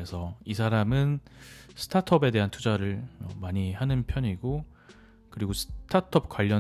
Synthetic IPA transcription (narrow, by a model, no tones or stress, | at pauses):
esʰʌis̬ʰaɾamɯnsʰɯ̥tʰatʰʌbe̞de̞ɦantʰud͡ʑaɾɯɭmʌ̰maɲihanɯnpʰjʌɲiɡo | kɯɾiɡosʰɯ̥tʰatʰʌp̚k͈waʎːʌ